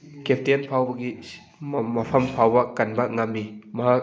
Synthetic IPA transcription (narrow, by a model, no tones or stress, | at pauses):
kep̚ʰtinpʰawbɐɡi | mɐmɐpʰɐmpʰawbɐkanbaŋamːimɐɦak̚